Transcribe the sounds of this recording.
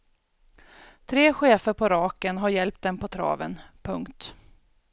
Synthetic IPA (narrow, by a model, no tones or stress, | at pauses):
t̪ʰɾeːɧeːfəɾpʰɔɾɑːkənɦaɾjɛlp̚t̪̚d̪ɛmpʰɔt̪ʰɾɑ̰ːvə̰npʰɵŋkt̪